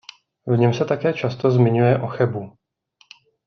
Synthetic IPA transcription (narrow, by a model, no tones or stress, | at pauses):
vɲɛmsɛt̪akɛːt͡ʃast̪o̞zmɪɲujɛʔo̞xɛbu